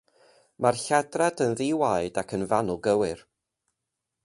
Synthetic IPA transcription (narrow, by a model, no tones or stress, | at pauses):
marɬadradənðiwajdakʰənvanʊlˠɡəwɪr